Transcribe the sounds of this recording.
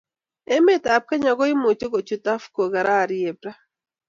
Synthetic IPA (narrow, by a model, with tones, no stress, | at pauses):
e˦me˦ta˨p̚ka˦ɲa˨ɡɔ˦ɪ˦mo˨t͡ʃo˦ko˨t͡ʃu˨ta˦fko˨ɡa˨ɾa˦˨ɾje˨bɾa˦